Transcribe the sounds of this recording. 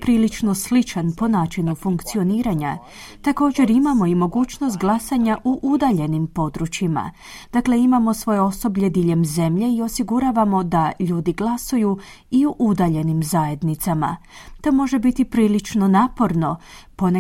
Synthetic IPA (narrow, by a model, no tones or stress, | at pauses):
pɾiːlit͡ʃno̞slit͡ʃanpo̞naːt͡ʃinufuŋkt̪sio̞niːɾaɲa | t̪ako̞ːd͡ʑe̞ɾimamo̞imo̞ɡuːt͡ʃno̞st̪̚ɡlˠasaɲaʔuʔud̪aʎe̞nimpo̞d̪ɾut͡ʃima̰ | d̪̥akle̞imamo̞sʋo̞jeo̞so̞bʎe̞d̪iʎe̞mze̞mʎe̞io̞siɡuɾaːʋamo̞d̪aʎuːd̪iɡlˠasuju | iuʔud̪aʎe̞nimzaje̞d̪nit̪sama̰t̪o̞mo̞ʒe̞bit̪ipɾiːlit͡ʃno̞naːpo̞ɾno̞po̞ne